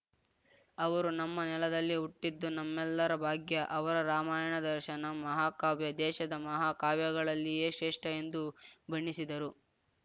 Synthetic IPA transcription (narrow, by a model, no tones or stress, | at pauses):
ɐʋɐɾunɐmːɐnɛlɐd̪ɐlːiuʈːid̪ːunɐmːɛlːɐɾɐbʱaːɡjɐʔɐʋɐɾɐɾaːmaːjɐɳɐd̪ɐɾʃɐnɐmɐɦaːkaːʋjɐd̪ɛːʃɐd̪ɐmɐɦaːkaːʋjɐɡɐɭɐlːijeːʃeːʂʈɐe̞nd̪ubʱɐɳːisid̪ɐɾu